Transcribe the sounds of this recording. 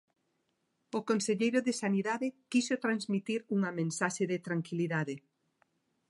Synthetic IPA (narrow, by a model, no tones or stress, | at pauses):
ʊkõnseʎejɾʊðɪsaniðaðekisot̪ɾanzmit̪iɾuŋɐmẽnsaʃeðɪt̪ɾaŋkiliðaðe